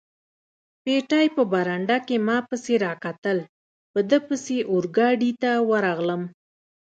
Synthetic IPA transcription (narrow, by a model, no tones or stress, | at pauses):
peʈajpəbaɾaɳɖakemɑpəseɾɑkat̪əl | pəd̪əpəseʔʊɾɡɑɖit̪awəɾɑɣləm